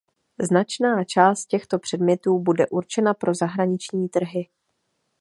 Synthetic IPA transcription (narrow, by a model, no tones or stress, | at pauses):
znat͡ʃnaːt͡ʃaːst̪̚cɛxt̪o̞pr̝̥ɛdmɲɛt̪uːbudɛʔuɾt͡ʃɛnapɾo̞zaɦɾaɲɪt͡ʃɲiːt̪r̩ɦɪ